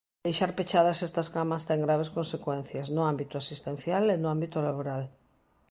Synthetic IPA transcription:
ejʃaɾpet͡ʃaðasest̪ɐskamɐst̪eŋɡɾaβ̞eskonsekwẽn̟θjaznʊambit̪ʊasist̪ẽn̟θjalenʊambit̪olaβoɾal

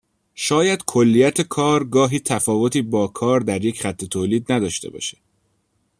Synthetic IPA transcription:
ʃɒːjæd̪̥kʰolːiːjæt̪ʰe̞kʰɒːɾɡɒːɦiːt̪ʰæfɒːvo̞t̪ʰiːbɒːkʰɒːɾd̪æɾje̞cχæt̪ʰːe̞t̪ʰoːliːd̪næd̪ɒːʃt̪e̞bɒ̰ːʃe̥

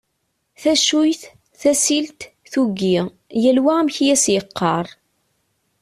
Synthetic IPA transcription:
θæʃujθ | θæsilt̪θuɡːi | jælwæmçjæsjəqːɑɾˤ

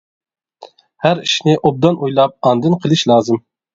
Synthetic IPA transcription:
hæɾiʃnɪʔob̚d̪ɑnʔujlˠɑp̚ɑnd̪ɨnqʰəlˠɨʃlˠɑːzɨm

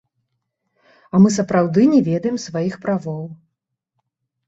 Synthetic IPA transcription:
ɐmɨsɐpɾawd̪ɨnʲɛvʲɛd̪ɐjɛmsvajixpɾavɔw

